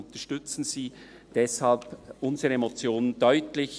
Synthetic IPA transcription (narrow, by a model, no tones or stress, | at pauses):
ʊnt̪əɐʃtʏt͡sn̩z̥iː | d̥ɛshɑlpʔʊnzəʁəemot͡sjoːnəndœʏtlɪç